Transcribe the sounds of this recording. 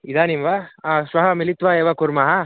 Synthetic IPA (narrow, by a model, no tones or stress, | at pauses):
id̪aːnimʋaʃʋɐɦɐmilit̪ʋaeːʋɐkuɾmɐːɦɐ